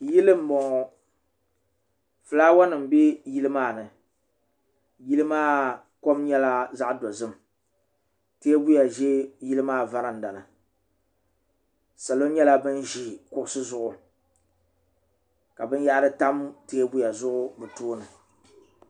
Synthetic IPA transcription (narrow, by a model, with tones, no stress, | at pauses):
ji˦lɨ˦m̩˦bɔ˨ŋɔ˨ | fɨ˨laː˦wa˦nɨ˨m̩˨bi˦ji˦lɨ˦maː˦˨nɨ˨ | ji˦lɨ˦maː˦ | ko˦mɲɛ˦la˦za˦ʔdo˨zɨ˦m˨ | teː˦bu˦ja˨ʒɛ˦ji˦lɨ˦maː˦˨va˦ɾa˨n̩˨da˨lɨ˨ | sa˨lo˦ɲɛ˦la˦bɨ˦nʒi˨kʊ˦ʔʊ˦sɨ˦zʊ˦ʔʊ˨ | ka˨bɨ˦n˦ja˦ʔɾɨ˦ta˦mteː˦bu˦ja˨zʊ˦ʔʊ˦bɨ˨toː˦nɨ˨